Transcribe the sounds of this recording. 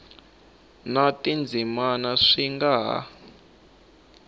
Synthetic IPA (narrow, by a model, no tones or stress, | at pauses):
natind͡zʱimanaʂiŋɡaɦa̰